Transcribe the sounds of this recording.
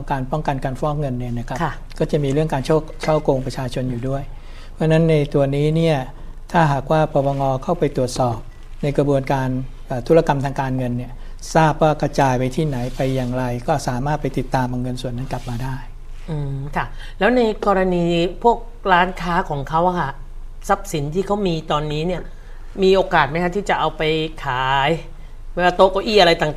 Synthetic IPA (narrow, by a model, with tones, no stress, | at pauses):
ɔ˩˦ŋkaː˧npɔ˥˩ŋka˧nkaː˧nfɔː˦˥k̚ŋɤ˧nːi˥˩na˦˥˩kʰa˦˥k | kɔː˥˩t͡ɕa˨˩miː˧ɾɯ˥˩əŋkaː˧nt͡ɕʰt͡ɕʰa˥˩wkoː˧ŋpɾa˧t͡ɕʰaː˧t͡ɕʰo˧njuː˨˩du˥˩əj | pʰɯ˥˧na˦˥nːa˧jt̪u˧ɐniː˦˥ni˥˩ɐ | t̪ʰaː˥˩ɦaː˨˩k̚waː˥˩pɔː˧wa˧ŋɔː˧kʰa˥˩wpa˧jt̪u˨˩ət̪̚sɔː˨˩p̚ | na˧jkɾa˧bu˧ənkaː˧n | ʔəː˨˩t̪ʰu˦˥la˧ka˧mt̪ʰaː˧ŋkaː˧nŋɤ˧nːi˥˩ɐ | saː˥˩p̚waː˥˩kɾa˧t͡ɕaː˧jpa˧jt̪ʰiː˥˩na˩˦jpa˧jːaː˨˩ŋɾa˧jkɔː˥˩saː˩˦maː˥˩t̪̚pa˧jt̪i˨˩t̪ːaː˧mʔa˧ŋːɤ˧nsu˨˩ənːa˦˥nkla˨˩p̚maː˧daː˥˩j | ʔɯː˧˩kʰa˦˥˩ | lɛː˦˥wna˧jkɔː˧ɾa˧niː˧pʰu˥˩ək̚ɾaː˦˥nkʰaː˦˥kʰɔː˩˦ŋkʰa˦˥wʔa˧kʰa˥˩ | sa˦˥p̚si˩˦nt̪ʰiː˥˩kʰa˦˥wmiː˧t̪ɔː˧nːiː˦˥ni˥˩ɐ | miː˧ʔoː˧kaː˨˩t̪̚ma˦jkʰa˦˥t̪ʰiː˥˩t͡ɕa˨˩ʔa˧wpa˧jkʰaː˩˦j | mɛ˥˩waː˥˩t̪oː˧koː˧˩ʔiː˥˩ʔa˧ɾa˧jt̪aː˨˩ŋ